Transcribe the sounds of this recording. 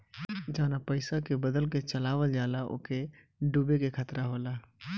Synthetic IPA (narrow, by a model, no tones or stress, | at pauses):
d͡ʒəːnapəɪsakebəd̪əlket͡ʃəlaːʋəld͡ʒaːlaʔo̰ːke | ɖubekekʰət̪ɾaɦoːlaː